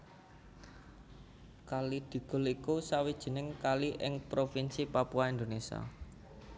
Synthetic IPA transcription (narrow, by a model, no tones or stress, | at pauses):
kalid̪̥i̤ɡ̥ʊ̤likusawid̥ʒ̥ə̤nɪŋkaliʔɪŋpɾofinsipapuaind̪onesia̰